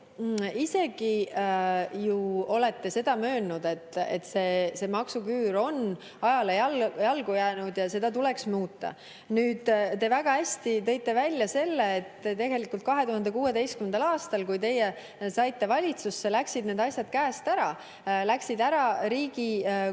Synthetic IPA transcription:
ise̞ɡ̥i | juo̞le̞t̪ːe̞se̞d̪̥ɑmø̞ːnnud̪e̞t̪ˑːḛt̪ːse̞ːse̞ːmɑksukyːɾo̞n | ɑjɑlejljɑlɡujæːnud̪̥jɑse̞d̪̥ɑt̪ule̞ksmuːt̪ːˑɑ̰ | nyːd̪̥t̪e̞væɡ̥ɑhæsʲt̪it̪ɤ̞jt̪ːˑe̞vælʲːjɑse̞lːeːt̪ːt̪e̞ɡe̞likːˑult̪̚kɑɦe̞t̪uhɑnd̪e̞kuːe̞d̪e̞jst̪kymend̪ɑlɑːst̪ɑlkujt̪e̞je | sɑjt̪ːe̞vɑlʲit̪susːe̞læksid̪ne̞ːd̪ɑsʲjɑd̪̥kæːst̪æɾɑ | læksid̪æɾɑɾiːɡ̥i

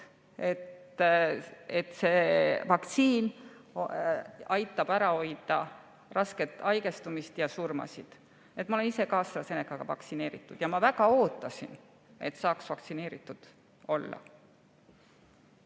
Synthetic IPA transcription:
e̞t̪ | et̪ːˑse̞vɑkt̪siːn | ɑjt̪ːˑɑb̥æɾɑo̞jd̪̥ɑ | rɑsket̪ːˑɑjɡ̥e̞st̪umist̪jɑsurmɑ̰sid̪̥ | et̪̚ːˑmɑole̞nise̞kɑːsɾɑse̞nekːɑɡ̥ɑvɑ̰ktsine̞ːɾit̪ːˑud̪̥jɑmɑvæɡ̥ɑo̞ːt̪ːˑɑsin | e̞̰t̪ːsɑːksvɑkt̪sine̞ːɾit̪ːˑud̪̥ | o̞lːɑ̰

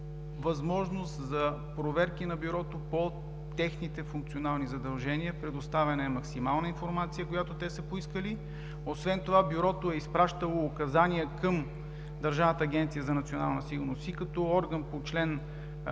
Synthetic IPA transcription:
vɐzmɔʒnost̪zɐ | pɾovɛɾkinɐbʲuɾɔt̪opo | t̪ɛxnit̪ɛfuŋk̚t̪sionalˠnizɐd̪ɐlˠʒɛniəpɾɛd̪ost̪avʲɛnɛɛmɐksimalˠnəinfoɾmat̪sijəkojat̪ot̪ɛsəpoiskəli | osvɛnt̪ovabjuɾɔt̪oɛispɾaʃt̪əlˠoːkɐzaniəkəm | d̪ɐɾʒavnət̪əːɡʲɛnt̪sijəzɐnɐt̪siona̰lˠnəsiɡʊɾnosikɐt̪ɔɔɾɡənpot͡ʃlɛn

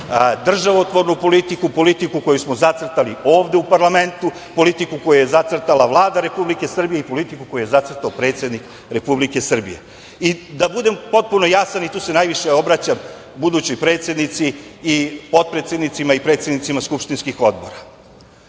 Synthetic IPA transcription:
d̪r̩ʒaʋot̪ʋo̞ɾnupo̞lit̪ikupo̞lit̪ikuko̞jusmo̞zat̪sr̩t̪alio̞ːʋd̪e̞upaɾlame̞nt̪u | po̞lit̪ikuko̞juje̞zat̪sr̩t̪alˠaʋlˠaːd̪aɾe̞publike̞sr̩bije̞ipo̞lit̪ikuko̞juje̞zat̪sr̩t̪aopɾe̞t̪sje̞d̪nik | ɾe̞publike̞sr̩bḭjḛ | id̪abud̪e̞mpo̞t̪̚punojasanit̪uːse̞najʋiʃeo̞bɾat͡ɕam | bud̪ut͡ɕojpɾe̞ːt̪sje̞d̪nit̪siː | po̞t̪̚pɾet̪sed̪nit̪simaipɾe̞t̪sjed̪nit̪simaskupʂt̪inskixo̞d̪boɾa

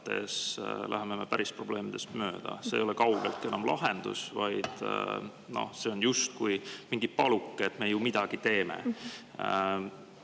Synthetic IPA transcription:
t̪e̞̰slʔæ̰ɦeme̞me̞pæɾispro̞b̥le̞ːmid̪̥e̞st̪mø̞ːd̪̥ɑ̰sejo̞lɛkɑwɡ̥e̞lt̪ke̞nɑmlɑ̰ɦe̞nd̪̥ṵsvɑjd̪̥ | no̞̰hse̞o̞njust̪̚kujmiŋɡ̥it̪̚pɑlukːeet̪me̞jumid̪̥ɑɡ̥it̪e̞ːmḛ

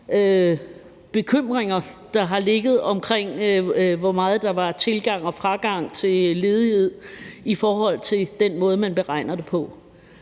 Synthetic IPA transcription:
ø | b̥e̝kʰøm̰ʁeŋɐd̥ɑ̈ɦɑ̈le̝ɡ̥ð̞̩ˠɒ̽mkʰʁeŋ̰ʋɒmɑ̈ːð̞̩ˠd̥ɑ̈ʋɑ̈t͡sʰe̝lɡ̥ɑ̈ŋ̰ɒ̽fʁɑ̈ɡ̥ɑ̈ŋ̰t͡sʰe̝le̝ːð̞ˠihe̝ð̰ˠifɒːɦɒ̽l̰t͡sʰe̝ld̥enmɔ̽ːð̞̩ˠmænb̥e̝ʁɑ̈ɪ̰nɐd̥e̝pʰɒ̽

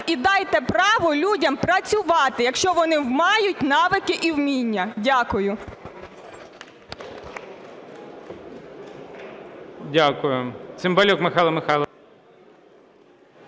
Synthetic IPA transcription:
id̪ɑjt̪ɛpɾɑʋɔlʲudʲɐmpɾɐt͡sʲʊʋɑt̪ɪjɐkʃt͡ʃɔʋɔnɪwmɑjʊtʲnɑʋɪkɪʔiwmʲinʲːɐdʲakʊjʊ | dʲakʊjʊt̪sɪmbɐlʲɔkmɪxɑlˠɐmɪxɑlˠɐ

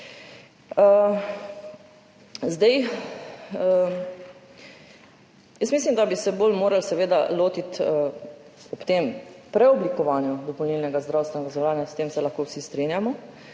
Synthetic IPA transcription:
ə | zd̪ɛj | jəsmislimd̪abisɛboːlmoːɾalsɛʋeːd̪a̰loːt̪it̪ | ɔpt̪empɾɛɔblikɔʋaːnjud̪ɔpɔlnilnɛɡazd̪ɾaːwst̪ʋɛnɛɡazɛwlaːnjast̪eːmsɛlaxkoːwsist̪ɾinjamɔ

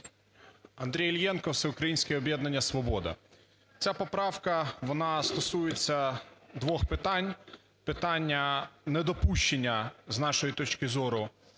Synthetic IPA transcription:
ɐnd̪ɾʲijlʲjɛnkɔwt̪sɛʊkɾɐjinʲsʲkʲɛɛɔbʲjɛd̪nɐnʲːɐsʋɔbɔd̪ɐ̰ | t͡sʲapɔpɾɑwkɐʋɔnɑst̪ɔsujet͡sʲːɐd̪ʋɔxpɪt̪ɑnʲ | pɪt̪ɑnʲːɐnɛd̪ɔpuʃt͡ʃenʲːɐznɑʃɔjit̪ɔt͡ʃkɪzɔɾʊ

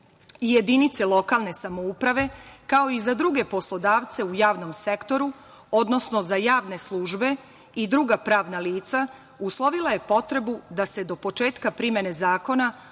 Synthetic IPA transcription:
ije̞d̪init̪selˠo̞kalˠne̞samoupɾaʋe̞kao̞izad̪ɾuɡe̞po̞slˠo̞d̪aːʋt̪se̞ujaːʋno̞mse̞kt̪o̞ɾu | o̞d̪no̞sno̞zajaːʋne̞slˠuːʒbe̞ | id̪ɾuɡapɾaːʋnaliːt̪sa | uslˠo̞ʋilˠaje̞po̞t̪ɾe̞bud̪ase̞d̪o̞po̞t͡ʃe̞ːt̪kapɾime̞ne̞zaːko̞na

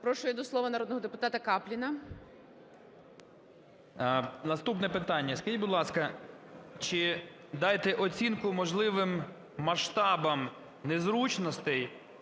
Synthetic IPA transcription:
pɾɔʃʊjɛd̪ɔslˠɔʋɐnɐɾɔd̪nɔɦɔd̪epʊt̪ɑt̪ɐkɑplʲinɐ | nɐst̪upnɛpɪt̪ɑnʲːɐskɐʒit̚ʲbʊd̪lˠɑskɐ | t͡ʃɪ | d̪ɑjt̪ɛʔɔt͡sʲinkʊmɔʒlˠɪʋɪmː | ɐʃt̪ɑbɐm | nezɾut͡ʃnɔst̪ɛj

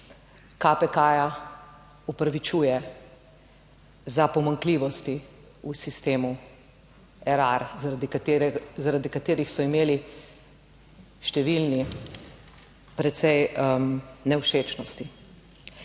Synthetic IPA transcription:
kapɛkaːja | ɔpɾaʋit͡ʃuːjɛ | zapɔmaŋkliʋɔst̪i | usist̪eːmu | ɛɾaɾzd̪iɾzaɾad̪ikat̪eːɾixsɔimeːli | ʃt̪ɛʋilni | pɾɛt̪sɛj | nɛwʃeːt͡ʃnɔst̪i

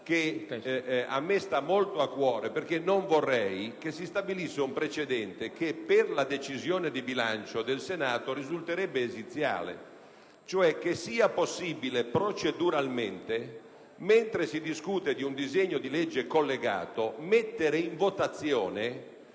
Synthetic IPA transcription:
ke | a̰mːest̪amːolt̪oakːwɔːɾeperk̟enːoɱvorːɛjkesist̪abilisːeumpɾet͡ʃed̪ɛnt̪ekepːerlad̪et͡ʃizjoːned̪ibilant͡ʃod̪elsenaːt̪oɾizult̪eɾɛbːeːzit̪sːja̰ːlḛ | t͡ʃoɛk̟ːesːiːaposːiːbilepɾot͡ʃed̪uɾalment̪e | ment̪ɾesid̪iskuːt̪ed̪iund̪izeɲːod̪ilɛd͡ʒːekolːeɡa̰ːt̪omet̪ːeɾeiɱvot̪at̪sːjɔːne

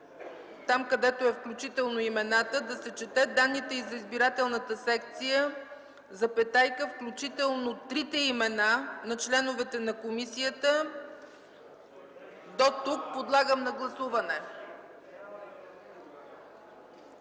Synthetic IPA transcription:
t̪amkɐd̪ɛt̪oɛfklʲut͡ʃit̪ɛlˠnoimɛnat̪əd̪ɐsɛt͡ʃɛt̪ɛd̪anːit̪ɛizɐizbiɾat̪ɛlˠnət̪əsɛkt̪sijə | zɐpɛt̪ajkəfklʲut͡ʃit̪ɛlˠnot̪ɾit̪ɛimɛnanɐt͡ʃlɛnʊvɛt̪ɛnɐkomisijət̪ə | d̪ot̪uk̚pod̪lˠaɡəmnɐɡlˠɐsuvɐnɛ

